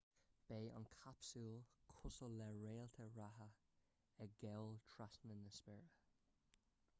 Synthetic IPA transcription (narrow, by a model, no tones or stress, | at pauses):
b̥eːʔɑ̰nkʰapsulkʰʊsəlːɛɹeːlt̪ʰəɹaɦə | ɛɡɛwlt̪ʰɹasmənəspɛɹə